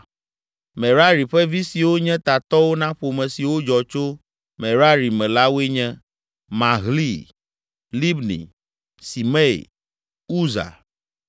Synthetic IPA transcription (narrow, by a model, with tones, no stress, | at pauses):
mɛ˨ɾa˦ɾi˨ɸɛ˦vi˦si˨wo˦ɲɛ̃˦t̪a˨t̪ɔ˦wo˦nã˦ɸo˨mɛ̃˨si˨wo˦d͡ʒɔ˨t͡ʃo˦ | mɛ̃˨ɾa˦ɾi˨mɛ̃˨la˦wo˦e˦ɲɛ̃˦ | mã˨ɣli˦ | li˦bnḭ˨ | si˨mɛ˦˨ḛ˨ | u˦za̰˨